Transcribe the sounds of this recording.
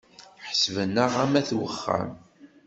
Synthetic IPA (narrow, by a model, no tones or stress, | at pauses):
ħsvənːəʁæmæθwəχːæ̰m